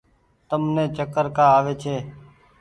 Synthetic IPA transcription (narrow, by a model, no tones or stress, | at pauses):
t̪əmnẽːt͡ʃəkəɾkaːaːʋeːt͡ʃʰeː